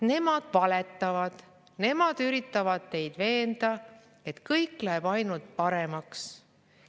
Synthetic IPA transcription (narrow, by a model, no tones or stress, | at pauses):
ne̞mɑd̪̥vɑlet̪ˑːɑvɑd̪̥ | ne̞mɑd̪̥yɾit̪ːˑɑvɑd̪̥̚t̪e̞jd̪̥ve̞ːnd̪̥ɑ | e̞t̪kɤjkːˑlæeb̥ɑjnult̪̚pɑɾe̞mɑks